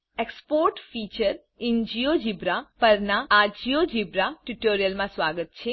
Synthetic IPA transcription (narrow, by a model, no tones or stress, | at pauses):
ekspoɾʈfit͡ʃəɾ | iɲd͡ʒijod͡ʒibɾapəɾnaːd͡ʒiod͡ʒibɾaʈuʈoɾijəlmãsʋaɡət̪̚t͡ʃʰe